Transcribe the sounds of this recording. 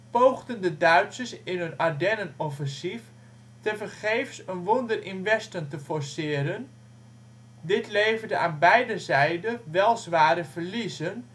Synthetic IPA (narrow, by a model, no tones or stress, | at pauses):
powɣdəndədœɥtsəsɪnɦənaɹdɛnənɔfɛnsif | təfərχeːfsənʋondərɪnʋɛstəntəfɔrsɪːɾən | dɪtleːvərdəaːnbɛjdəzɛjdəʋɛlˠzʋaːɾəfərlizən